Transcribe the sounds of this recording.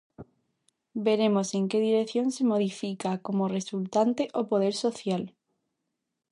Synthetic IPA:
be̞ɾe̞mose̞ŋkeðiɾekθjõ̞nsemoðifikakomoresult̪ant̪eʔopoð̞e̞ɾsoθjal

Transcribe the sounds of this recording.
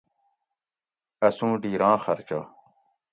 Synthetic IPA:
ɐsũːɖiːɾãːxɐɾt͡ɕaː

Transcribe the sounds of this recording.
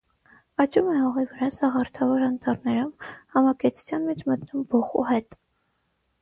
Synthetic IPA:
ɑt͡ʃumɛhɔʁivəɾɑsɑʁɑɾt̪ʰɑvɔɾɑnt̪ʰɑɾnɛɾumhɑmɑkɛt͡s̪ʰu̥t͡sʰjɑnmɛt͡ʃʰmət̪numbɔχṵɦɛt̪

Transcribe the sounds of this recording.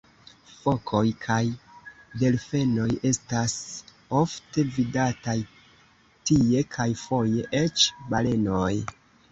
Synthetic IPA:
fo̞kʰo̞jkʰajde̞lfe̞no̞je̞stas | ofte̞vidataj | tie̞kʰajfo̞je̞ʔet͡ʃbale̞noj

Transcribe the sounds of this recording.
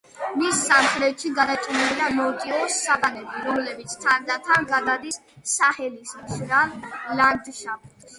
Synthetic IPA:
misːamχʼɾɛt̪ʃiɡad̪at͡ʃʼiniiɾamɔt̪ʼiɔsːad̪anɛbiɾɔmlɛbit̪sʰt̪ʰaɾd̪at̪ʰaɡad̪ad̪isː | ahɛlismʃɾallaɾd̪ʃab̚

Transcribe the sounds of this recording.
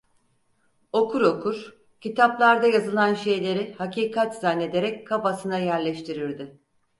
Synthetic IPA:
o̞kʰuɾo̞kʰuɾ | cit̪ʰaplˠaɾd̪ajazɯlˠanʃe̞jlʲe̞ɾɪhaciːkʰat̪z̥anːe̞d̪e̞ɾɛckʰapasɯnajæɾlʲɛʃt̪ʰiɾiɾd̪ɪ

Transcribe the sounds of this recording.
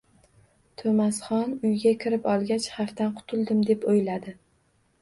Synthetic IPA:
t̪ʰomasχɒnʊjɡʲakʲʰɪɾɪpɒlˠɡʲat͡ʃhaft̪anqʰʊ̥t̪ʰʊlˠd̪ɪmd̪e̞pojlad̪ɪ

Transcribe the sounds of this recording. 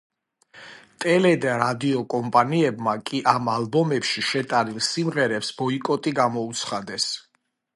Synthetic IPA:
t̪ʼɛlɛd̪aɾad̪iɔkʼɔmpʼaniɛbmakʼiʔamalbɔmɛpʃiʃɛt̪ʼaɾilˠsimʁɛɾɛpsbɔikʼɔt̪ʼiɡamɔut̪sʰχad̪ɛs

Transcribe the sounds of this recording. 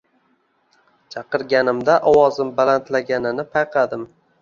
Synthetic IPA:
t͡ʃʰɑqɨɾɡʲanɪmd̪aʔɒwɒzɪmbalant̪laɡʲanɪnɪpʰajqʰɑd̪ɪm

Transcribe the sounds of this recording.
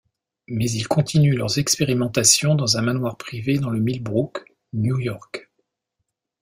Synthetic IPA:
mɛzilkɔ̃t̪ʰinylœʁzɛkspeʁimɑ̃t̪asjɔ̃d̪ɑ̃zɛ̃manwaʁpχived̪ɑ̃ləmilbʁuk | njujɔʁk

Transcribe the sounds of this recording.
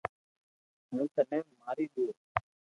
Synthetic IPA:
ɦũːt̪ənɛ̃ːmaːɾiːɗ̪oː

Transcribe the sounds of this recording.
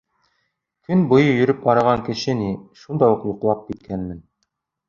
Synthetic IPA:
kɵnbŏjɤjɵ̆ɾɵp̚bɑɾɑʁɑŋkɘ̆ʃɘniʃund̪ɑjuqjuqlˠɑp̚kit̪̚kænmɘ̆n

